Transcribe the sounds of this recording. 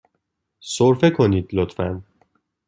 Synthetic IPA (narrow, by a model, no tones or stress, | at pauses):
soɾfekʰoniːd̪̥lot̪fæn